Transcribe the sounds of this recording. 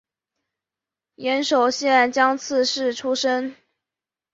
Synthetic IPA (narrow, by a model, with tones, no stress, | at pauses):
jɛ˧˥nʂo˨˩ʊɕɛ˥ɛ˥˨˩nt͡ɕjɑ˥ŋt͡sʰɹ̩˥˧ʂɻ̩˥˩ʈ͡ʂʰu˥ʂə˥n